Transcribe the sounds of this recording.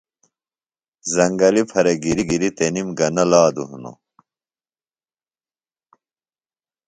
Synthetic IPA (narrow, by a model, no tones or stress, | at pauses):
zɐŋɡɐlipʰɐɾeɡiɾiɡiɾit̪enimɡɐnɐlaːd̪uɦuno̰